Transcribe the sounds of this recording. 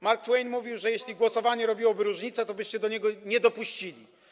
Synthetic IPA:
maɾk̚t̪wɛjnmuvʲiwʐɛjeɕlʲiɡwɔsɔvaɲɛɾɔbʲiwɔbɘɾuʐɲit̪sɛt̪ɔbɘɕt͡ɕɛd̪ɔɲɛɡɔɲɛd̪ɔpuɕt͡ɕilʲi

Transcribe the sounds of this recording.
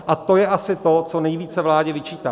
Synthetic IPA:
ʔat̪o̞jɛʔasɪt̪o̞t͡sonɛjviːt͡sɛvlaːɟɛvɪt͡ʃiːt̪aː

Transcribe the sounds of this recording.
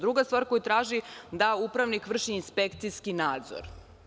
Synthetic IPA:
d̪ɾuɡast̪ʋaːɾko̞jut̪ɾaːʒid̪aupɾaʋnikʋr̩ʃiːnspekt̪sijskinaːd̪zo̰ɾ

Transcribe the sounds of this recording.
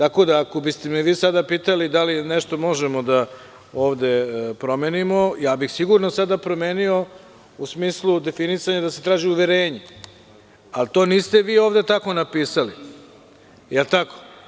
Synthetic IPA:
t̪ako̞d̪aːko̞bist̪emɛʋiːsad̪apiːt̪alid̪alinɛʃt̪o̞mo̞ʒemo̞d̪a | oːʋd̪e̞pɾo̞meːnimo̞jaːbixsiɡuɾnosad̪apɾo̞meːnio̞ | usmiːslˠud̪e̞finisaɲad̪ase̞t̪ɾaːʒiuʋeɾeːɲe | alt̪o̞ːniːst̪e̞ʋiːoːʋd̪e̞t̪ako̞napiːsali | jelˠt̪ako̥

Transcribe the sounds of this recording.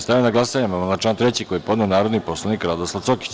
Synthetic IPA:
st̪ajenaɡlˠasaɲamananat͡ʃaːnt̪ɾe̞t͡ɕikojepod̪neonaːɾo̞d̪nipo̞slˠanikɾad̪oslaʋt̪soki̥t͡ɕ

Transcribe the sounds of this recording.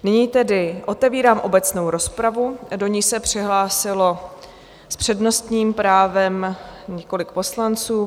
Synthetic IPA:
nɪɲiːt̪ɛdɪʔo̞t̪ɛviːɾaːmʔo̞̰bɛt͡sno̞wɾo̞spɾavudo̞ɲiːsɛpr̥ɪɦlaːsɪlo̞ | spr̝̥ɛdno̞st̪ɲiːmpɾaːvɛmɲɛko̞lɪk̚po̞slant͡suː

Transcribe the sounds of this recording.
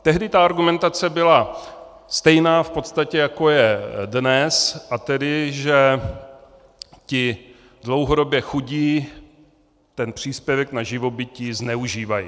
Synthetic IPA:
t̪ɛɦdɪt̪aaɾɡumɛnt̪at͡sɛbɪla | st̪ɛjnaːfpo̞t̪st̪acɛjako̞jɛdnɛsʔat̪ɛdɪʒɛ | cɪ | dlo̞wɦo̞do̞bjɛxuɟiː | t̪ɛnpr̝̥iːspjɛvɛknaʒɪvo̞bɪciːznɛuʒiːvajḭ

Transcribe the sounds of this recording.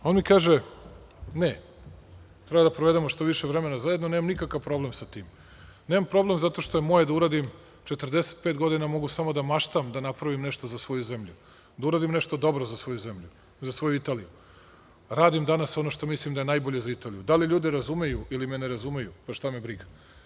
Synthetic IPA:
o̞nmikaːʒe | ne | t̪ɾebad̪apɾoʋe̞d̪emoʃt̪oʋiʃevɾe̞me̞nazajed̪nonemamnikakaʋpɾo̞blemsat̪iːm | nemampɾo̞ble̞mzat̪o̞ʃt̪ojemojed̪auɾaːd̪im | t͡ʃet̪ərd̪ese̥t̪̚peːt̪ɡo̞d̪inamo̞ɡusamo̞d̪amaʃt̪amd̪anapɾaʋimneʃt̪ozasʋo̞juzemʎu | d̪auɾaːd̪imne̞ʃt̪od̪o̞bɾozasʋo̞juze̞mʎu | zasʋo̞juit̪aːliju | ɾaːd̪imd̪anaso̞noʃt̪o̞mislimd̪aje̞najboʎe̞zait̪aːlijud̪aliʎuːd̪iɾazume̞juʔilimeneɾazume̞jupaʃt̪amebɾiɡḁ

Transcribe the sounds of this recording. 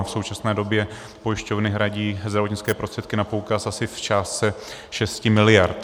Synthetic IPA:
fsowt͡ʃasnɛːdo̞bjɛ | po̞jɪʃco̞vnɪɦɾaɟiːzd̪ɾavotɲɪt͡sskɛːpɾost̪r̥ɛt̪̚kɪnapowkasasɪft͡ʃaːst͡sɛʃɛscɪmɪlɪjaɾt̪

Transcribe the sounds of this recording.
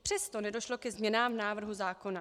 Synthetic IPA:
pr̥ɛst̪o̞nɛdo̞ʃlo̞kɛzmɲɛnaːmvnaːvr̩ɦuzaːko̞na

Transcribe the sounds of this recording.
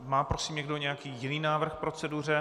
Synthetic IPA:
maːpɾosiːmɲɛɡdoɲɛjakiːjɪniːnaːvr̩xpɾo̞t͡sɛdur̝ɛ

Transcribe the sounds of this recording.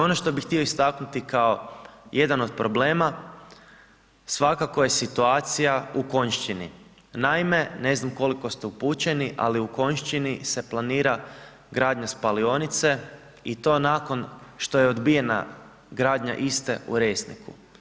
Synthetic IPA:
o̞noʃt̪o̞bixt̪io̞ist̪aknut̪ikao̞je̞d̪ano̞d̪̚pɾo̞bleːma | sʋakako̞je̞sit̪uaːt̪sijauko̞ɲʃt͡ʃinḭ | naime̞ne̞znamko̞liko̞st̪eupuːt͡ɕe̞niʔa̰liuko̞ɲʃt͡ʃinise̞plˠaniːɾa | ɡɾaːd̪ɲaspalio̞nit̪se̞ | it̪o̞ːnaːko̞nʃt̪o̞jeod̪bije̞na̰ | ɡɾaːd̪ɲa̰ʔist̪eṵɾesnḭkṵ

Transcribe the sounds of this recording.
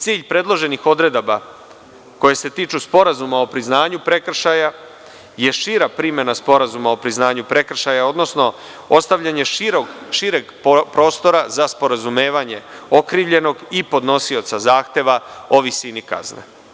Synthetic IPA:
t̪siːʎpɾe̞d̪lˠo̞ʒe̞nixo̞d̪ɾe̞d̪aba | ko̞jese̞t̪iːt͡ʃuspo̞ɾazumao̞pɾiznaːɲupɾe̞kr̩ʃaja | je̞ʃiːɾapɾime̞naspo̞ɾazumao̞pɾiznaːɲupɾe̞kr̩ʃajao̞d̪no̞sno̞ | ost̪aʋʎaɲe̞ɾoɡʃiɾeɡ | pɾo̞ːst̪o̞ɾazaspo̞ɾazume̞ːʋaɲe̞o̞kɾiːʋʎe̞no̞ɡipo̞d̪no̞sio̞t̪sazaːxt̪e̞ʋao̞ʋisiːnika̰znḛ

